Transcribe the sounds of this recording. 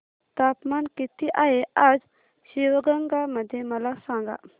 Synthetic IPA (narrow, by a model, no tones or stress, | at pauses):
t̪apmankit̪iʔaɦead͡z | ɕiʋəɡəŋɡaməd̪ʱːjeməlasãŋɡa̰